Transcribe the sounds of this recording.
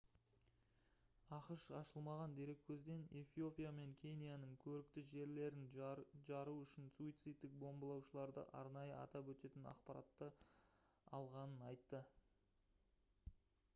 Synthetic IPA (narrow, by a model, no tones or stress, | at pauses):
ɑqəʃɑʃəlˠmɑʁɑnd̪e̞ɾe̞kʲʰːɵzd̪e̞nefijo̞pʲijame̞ŋkʲʰe̞nʲijanəŋkʲʰɵɾɪkt̪ɪʒe̞ɾle̞ɾɪnʒɑɾuʏʃɪnsuijt̪sɨt̪ːɪk̚bo̞mbəlˠɑwʃəlˠɑɾd̪ə̰ʔɑ̰ɾnɑjəɑ̰t̪ɑpwɵt̪e̞t̪ɪnɑ̰qpɑɾɑ̰t̪ːə | ɑlˠʁɑnənɑjt̪ːə